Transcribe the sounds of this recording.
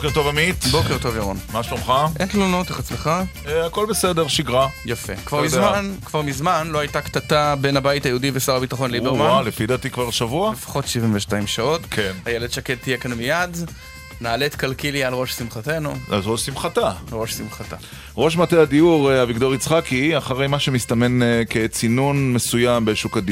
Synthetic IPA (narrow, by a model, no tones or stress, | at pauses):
okeʁt̪ovamit̪bokeʁto̞vjaʁonmaʃlomχaʔentlonoteχet͡sleχa | ako̞lbesedeʁʃiɡʁajafekv̥aʁmizmankv̥aʁmizmanloajtaktatabe̞nabajitajeudivesaʁabitaχo̞nlibeʁmaalefid̪at̪ikvaʁʃavualefḁχo̞tʃivinveʃtaimʃao̞tkʰenhajeledʃakett̪ːijekanmijad | naːletkalkilialʁo̞ʃsimχate̞nua̰lʁoʃsimχatalʁo̞ʃsimχata̰ | ʁo̞ʃmateadiuʁeavikd̪oʁit͡sχakiaχaʁejmaʃemist̪ame̞nket͡sinunmesujambeʃukadi